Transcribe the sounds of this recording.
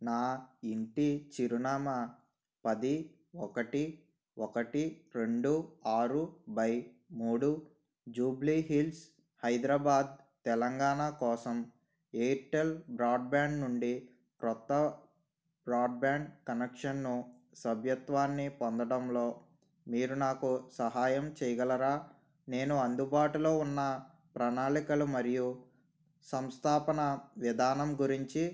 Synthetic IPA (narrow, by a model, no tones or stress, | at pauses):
naːiɳʈit͡ʃiɾunaːmɐ | pɐd̪i | ɔkɐʈi | ɔkɐʈiɾe̞ɳɖuaːɾubɐj | muːɽu | d͡ʒuːbliɦils | hɐjd̪ɾaːbaːd̪̚ | t̪ɛlɐŋɡaːɳakɔːsɐm | eːʈelbɾaːɖ̚baːɳɖnuɳɖi | kɾɔt̪ːɐ | bɾaːɖ̚baːɳɖkɐnekʂɐnːu | sɐbʱjɐt̪ʋaːnːipɔnd̪ɐɽɐmlo̞ː | miːɾunaːkusɐɦaːjɐmt͡ʃɛjɐɡɐlɐɾaː | ne̞ːnuɐnd̪ubaːʈulo̞ːunːɐ | pɾɐnaːɭikɐlumɐɾiju | sɐmst̪ʰaːpɐnɐʋid̪ʱaːnɐmɡuɾiɲt͡ʃi